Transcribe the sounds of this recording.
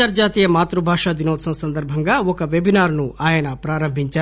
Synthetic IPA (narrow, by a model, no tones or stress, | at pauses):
aːɾd͡ʒaːt̪ijɐmaːt̪ɾubʱaːʂaːd̪inoːsɐmsɐnd̪ɐɾbʱɐŋɡaːɔkɐʋebinaːɾnuʔaːjɐnɐpɾaːɾɐmbʱiɲt͡ʃaː